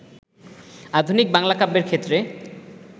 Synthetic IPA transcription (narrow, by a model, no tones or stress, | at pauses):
ad̪ʱunik̚baŋlakabeɾkʰet̪ːɾe